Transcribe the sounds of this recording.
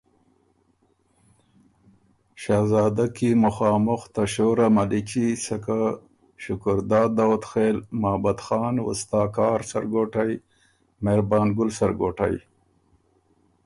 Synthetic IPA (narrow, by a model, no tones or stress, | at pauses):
ʃɑːzɑːd̪akimʊxɑːmʊxt̪aʃoːɾamalit͡ʃisaka | ʃʊkʊɾd̪ɑːd̪awt̪xeːlmaːbad̪xɑːnwʊ̰st̪ɑːkɑːɾsa̰ɾɡoːʈaj | meɾbɑːnɡʊlsaɾɡoːʈa̰j